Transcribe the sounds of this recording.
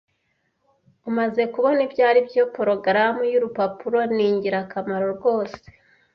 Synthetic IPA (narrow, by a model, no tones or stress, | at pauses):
umaze̞kuβo̞nibɟaːɾibjopoɾo̞ɡɾamujuɾupapuɾo̞niːɲɟiɾakamaɾo̞ɾɡo̞ːse̥